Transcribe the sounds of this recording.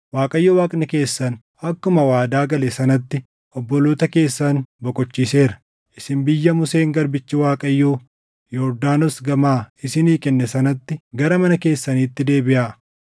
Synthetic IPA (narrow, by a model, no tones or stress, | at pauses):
waːkʼɐjːoːwaːkʼnɛke̞ːsːɐn | ɐkːʊmɐwaːd̪aːɡɐlesɐnɐt̪ːɪ | ʔɔbːɔloːt̪ɐke̞ːsːɐnbɔkʼɔt͡ʃːiːse̞ːɾɐ̥ | ʔɪsɪmbɪjːɐmʊse̞ːŋɡɐɾbɪt͡ʃːɪwaːkʼɐjːoː | jɔːɾd̪aːnɔsɡɐmaːɪsɪniːkʼɛnːɛsɐnɐt̪ːɪɡɐɾɐmɐnɐke̞ːsːɐniːt̪ːɪd̪e̞ːbɪʔaːʔ